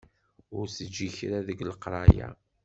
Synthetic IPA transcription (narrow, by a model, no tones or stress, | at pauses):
ʊɾsəd͡ʒːiçɾaðəɡləqɾˤɑja̰